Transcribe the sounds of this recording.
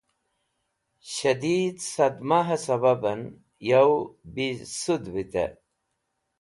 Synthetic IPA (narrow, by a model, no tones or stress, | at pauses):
ɕɐd̪id̪sɐd̪maɦɐsɐbɐbɐn | jɐwbisud̪bit̪ḛ